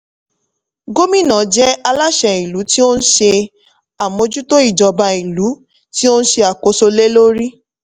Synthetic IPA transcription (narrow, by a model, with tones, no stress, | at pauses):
ɡo˦mĩ˦˨nã˨˦d͡ʒɛ˦a˧la˦ʃɛ˨i˨lu˨˦ti˦o˦n̩˦ʃe˧ | a˨mõ˧d͡ʒu˦to˦i˦˨d͡ʒɔ˨ba˧i˨lu˨˦ | ti˦o˦ñ̩˦ʃe˧a˨ko˨˦so˧le˦lo˦ɾi˦